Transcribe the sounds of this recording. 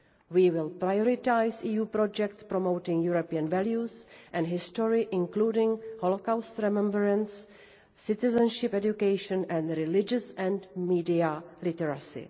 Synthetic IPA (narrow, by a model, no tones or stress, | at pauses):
wiːwɪlpɾajoɾɪtajsiːjuːpɾɔd͡ʒɛktspɾomowtɪ̃ŋjuɾopiə̃nvɛljusʔɛ̃ndɦɪstɔɹɪʔɪ̃ŋkluːdɪ̃ŋholokawst̪ɾɛmɛ̃mbəɾɛ̃nsː | ɪt̪ɪzɛ̃nʃɪpɛd͡ʒjukejʃɔ̃nɛ̃ndɾɪlɪd͡ʒəsɛ̃ndmiːdialɪtɛɾasɪ̰